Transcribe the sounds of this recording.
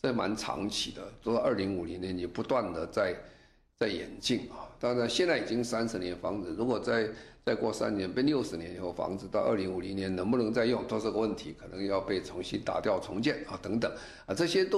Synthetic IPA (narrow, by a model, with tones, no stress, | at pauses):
t͡sɤ˥˩ma̰˧˥nʈ͡ʂʰɑ̰˧˥ŋt͡ɕʰḭ˨˩d̪ə̰˦t͡swɔ˧˥d̪ə˥˩li˧˥ŋu˨˩li˧˥njɛ˧˦njɛ˨˩pu˧˥t̪wa˥˩nd̪ə˩t͡sa˥˩ɪ | t͡sa˥˩ɪjɛ̰˧˥nt͡ɕi˥˩ŋa˩t̪a˥˧na˧ɕjɛ˥˧nt͡sa˥˩i˨˩t͡ɕi˦˥ŋsa˥nʂɻ̩˧˥njɛ˧˥nfɑ˧˥ŋd͡zɹ̩˨˩ɻu˧˥kwɔ˨˩t͡sa˥˧ɪt͡sa˥˧ɪkwɔ˥˩sa̰˥nnjɛ˧˥npe˥˧ɪljo˥˩ʊʂɻ̩˧˥njɛ˧˥ni˨˩xo˥˩ʊfɑ̰˧˥ŋd͡zɹ̩˧˩t̪ɑ˥˧ʊʔə̰˞˥˩li˧˥ŋu˨˩li˧˥njɛ˧˥nnə˧˥ŋpu˥˩nɤ˧˥ŋt͡sa˥˧ɪjʊ˥˩ŋt̪ʰwɔ˥ʂ̩˥˧ɡə˧wə˥˩nt̪ʰi˧˥kʰɤ˨˩nə˧˥ŋjɑ˥˧ʊpe˥˩ɪt͡sʰʊ˧˥ŋɕi˥nt̪a̰˨˩t̪jɑ˥˩ʊt͡sʰʊ˧˥ŋt͡ɕjɛ˥˩nɐ˨˩t̪ɤ˧˥ŋt̪ə˨˩ŋ | ə˥˧˩ʈ͡ʂɤ˥˧ɕjɛ˥t̪o˥